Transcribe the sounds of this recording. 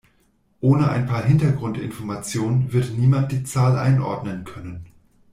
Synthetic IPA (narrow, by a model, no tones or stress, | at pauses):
ʔoːnəʔa̰ɪnpʰaːɐɦɪntɐɡʁʊntɪ̰nfɔɐmat͡sjoːnənvɪɐtniːmant̚d̥iːt͡saːlʔa̰ɪnʔɔ̰ɐdnənkʰœnən